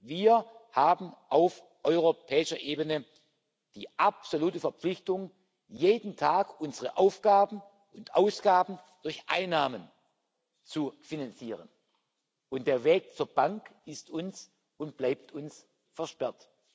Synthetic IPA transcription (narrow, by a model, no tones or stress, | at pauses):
viːɐhaːbm̩ʔaʊf | ʔɔʏʁ̞opʰɛːɪʃɐʔeːbənə | d̥iːʔapsoluːtəfɛɐpp͡flɪçtʊŋ | jeːdn̩tʰaːkʔʊnzəʁəʔaʊfɡ̥aːbn̩ | ʔʊntʔaʊsɡ̥aːbn̩d̥ʊɐçʔa̰ɪnːaːmən | t͡sufinant͡siːʁ̞ən | ʔʊntd̥eːɐveːk̚t͡suːɐbaŋkɪstʊns | ʊnt̚b̥laɪp̚tʊns | fɛɐʃpɛɐt